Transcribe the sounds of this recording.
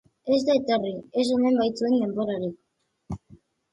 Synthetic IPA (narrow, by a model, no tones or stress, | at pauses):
ezd̪aet̪oriezonembajt͡suend̪emboɾaɾik